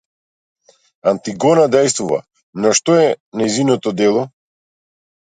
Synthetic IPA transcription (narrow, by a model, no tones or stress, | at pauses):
ant̪iɡɔnad̪ɛjst̪vuva̰ | nɔʃt̪ɔɛnajzinɔt̪ɔd̪ɛlˠɔ